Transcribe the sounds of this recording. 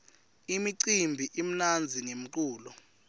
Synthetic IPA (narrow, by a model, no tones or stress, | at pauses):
imiǀimbʱiʔim̩nand͡zʱiŋem̩kuːlɔ